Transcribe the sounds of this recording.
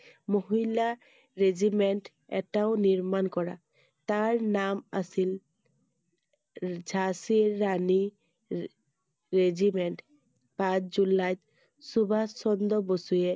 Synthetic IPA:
moɦila | ɾed͡ʑimeɳʈ | ɛ̰ʈaoniɾmankɔɾa̰ | t̪aɹnamasil | d͡ʒʱasiːani | ɾed͡ʑimeɳʈ | pãt͡ʃd͡ʑulajt̪ | subʱassɔnd̪ɔbosuje

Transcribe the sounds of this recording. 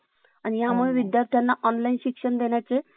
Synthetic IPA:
anijamuɭeʋid̪jaɾt̪ʰjanːaʔɔnlainɕikʂəɳd̪eɳjat͡se

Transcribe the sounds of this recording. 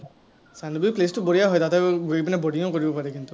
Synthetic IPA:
sandubuiplestubɔɹijaɦɔjdataɡipinɛboɖiŋɔkoɹibɔpaɹɛkint̪u

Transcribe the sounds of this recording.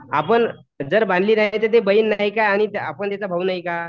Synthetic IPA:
a̰pəɳ | d͡zəɾband̪liːnaɦjt̪ət̪̬ebəinːaɦikaːɽ̃it̪apəɳt̪jat͡sabʱaunaɦika

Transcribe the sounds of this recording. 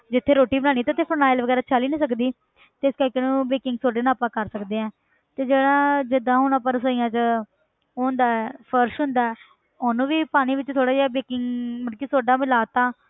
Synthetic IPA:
d͡ʒɪt̪ʰːeːɾoːʈiːbəɽ̃aːɽ̃iːt̪at̪ʰːeːpʰəɾnaːɪlʋəɡɛːɾaːt͡ʃʰaːliːnĩːsəkd̪iː | t̪eːɪskəɾkeːnũːbeːkɪŋɡsoːɖeːnãːpãːkəɾsəkd̪eːɛ̃ː | t̪eːd͡ʒeːɽaːd͡ʒɪd̪ãːɦʊnaːpəɾsoːijãːt͡ʃə | oːnd̪aːɛːpʰəɾʃɦʊ̃nd̪aːɛː | ʊnũːʋiːpaːñiːʋɪt͡ʃt̪ʰoːɽaːd͡ʒeaːbeːkɪŋɡmənkiːsoːɖaːmɪlaːt̪aː

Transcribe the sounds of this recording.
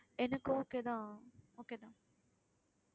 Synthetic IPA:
enəkooked̪aoked̪ã

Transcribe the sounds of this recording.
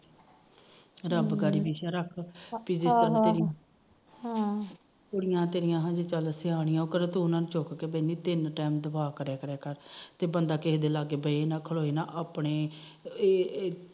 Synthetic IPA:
ɾəbɡaːɾiːbiːʃaːɾəkʰpid͡ʒɪst̪ənãt̪eːɾɪã | oːɽɪjãːt̪eːɾɪjãːɦãːd͡ʒeːt͡ʃəlsɪaːɽɪjãːoːkəɾẽːt̪õːnãːnũːt͡ʃoːkkeːbəniːt̪ɪnʈɛːmd̪əʋaːkəɾɛːkəɾɛːkəɾt̪eːbənd̪aːkeɦd̪eːlaːɡeːbəieːnãːkʰəɭoːiːnãːʔaːpɳeː

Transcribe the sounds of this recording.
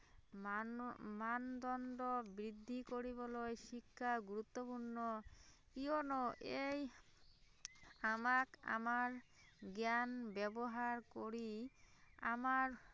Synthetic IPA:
mand̪ɔnɖɔbɾid̪ʱːikoɾibɔlɔjʃikʰːaɡuɾut̪ːɔpuɾnɔ | kionɔʔej | amaka̰maɾ | ɡjanbɛbɔɦaɾkoɾi | a̰maɾ

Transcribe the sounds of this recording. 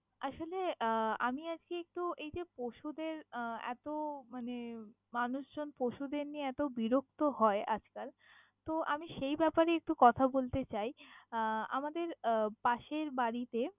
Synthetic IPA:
aʃoleamiad͡ʑkeek̚ʈuejd͡ʑepoʃud̪eɾɛ̰t̪omane | manuʃd͡ʑonpoʃud̪eɾnieɛt̪obiɾokt̪oɦɔeʔa̰d͡ʑkaɾ | t̪oʔamiʃejbɛpaɾeek̚ʈukɔt̪ʰabolt̪et͡ɕaj | a̰mad̪eɾpaʃeɾbaɾit̪e

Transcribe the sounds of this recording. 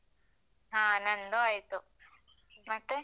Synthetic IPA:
ɦãːnɐnd̪oɐjt̪u | mɐt̪ːe

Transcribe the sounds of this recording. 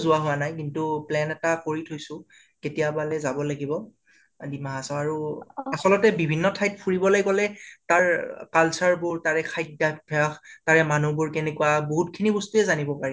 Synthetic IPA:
zʊwaɦʊanajkintuplɛnɛtakoɹitʰojsʊ̃ | ketijabalɛzabɔlaɡibɔ | dimaɦasɔaɹuasɔlɔtɛbibʱinːɔtʰajt̚pʰuɹibɔlajkɔlɛtaɹkalsaɹbʊɹtaɹɛkʰajk̚dabʰʱɛaxtaɹɛmanubʊɹkɛnɛkʊwaboɦut̚kʰinibɔstuɛzanibɔpaɹi

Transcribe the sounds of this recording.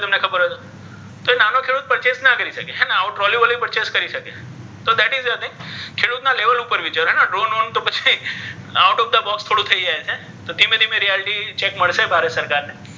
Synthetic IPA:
t̪əmnekʰəbəɾɦət̪o | t̪oenanokʰeɽut̪̚pəɾt͡ʃesnakəɾiʃəkeɦɛnaaʊʈɾɔliʋəlipəɾt͡ʃeskəɾiʃəke | t̪od̪ɛʈɪzət̪ẽŋkʰeɽut̪naleʋəlupəɾʋɪt͡ʃaɾoɦɛnaɖɾonont̪opət͡ʃʰiaʊʈɔp̚d̪abɔkst̪ʰoɽũt̪ʰəid͡ʒaet͡ʃʰe | t̪od̪imẽd̪imẽɾijɛlɪʈit͡ʃekməɭʃebʱaɾesəɾkaɾne

